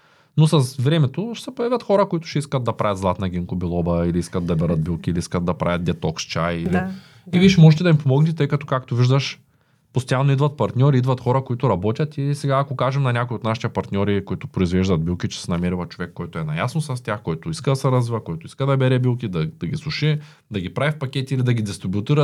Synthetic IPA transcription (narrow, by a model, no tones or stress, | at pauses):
nosɐsvɾɛmɛt̪oʃsɛpojavʲjɐt̪xɔɾɐkoit̪ʊ̥ʃɛiskɐt̪̚d̪ɐpɾavʲjɐt̪zlˠat̪nɐɡ̟ʲiŋkobilˠɔbɐiliiskɐd̪̚d̪ɐbɛɾət̪̚bilˠkʲiːliiskɐd̪̚d̪ɐpɾa̰vʲɐt̪̚d̪ɛt̪ɔkst͡ʃajili | iviʃɛmɔʒɛt̪ɛd̪ɐimpomɔɡnɛt̪ɛt̪ɤjkɐt̪ɔ̥kakt̪oviʒd̪ɐʃ | post̪ɐjalˠnoid̪vɐt̪̚pɐɾt̪nʲɔɾiid̪vɐt̪xɔɾɐkoit̪ʊɾɐbɔt̪ʲɐt̪isɛɡaːkokaʒɛmnɐnʲakoiot̪naʃi̥t̪ɛpɐɾt̪nʲɔɾikoit̪ʊpɾoizvɛʒd̪ɐt̪̚bilˠkʲit͡ʃɛ̥sɛnɐmiɾivɐt͡ʃovɛkːɔjt̪ʊɛnɐjasnosɐst̪ʲjaxkɔjt̪ʊiskɐd̪ɐsɛɾɐzvivɐkɔjt̪ʊi̥skəd̪ɐbɛɾɛbilˠkʲid̪ɐd̪̥ɐɡislˠuʃɛ | d̪ɐɡʲipɾavifpɐkʲɛt̪iilid̪ɐɡʲid̪ɛst̪ɾubʲiʊt̪iɾət̪